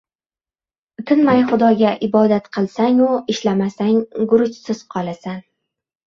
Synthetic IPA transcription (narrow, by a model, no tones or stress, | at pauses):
t̪ʰɪnmajχʊd̪ɒɡʲaʔɪbɒd̪at̪qʰɨlˠsaŋʊɪʃlamasaŋɡʊɾʊt͡ʃsɪz̥qʰɒlˠasan